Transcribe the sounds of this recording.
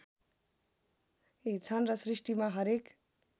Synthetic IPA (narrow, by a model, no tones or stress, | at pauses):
it͡sʰʌnrʌsrisʈimaɦʌɾek